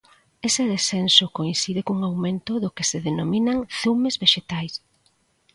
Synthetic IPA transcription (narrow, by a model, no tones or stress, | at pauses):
eseðesθensokoinθiðekuŋawmẽnt̪ʊðʊkeseðenomĩnaŋθumezβeʃet̪ajs